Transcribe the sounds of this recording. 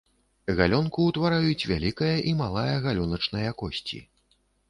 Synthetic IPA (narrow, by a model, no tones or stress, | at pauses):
ɣalʲɔnkuːt̪vaɾajut͡sʲvʲa̰lʲikɐjɐʔimalˠajɐɣalʲɔnɐt͡ʂnɐjɐkɔsʲt͡sʲḭ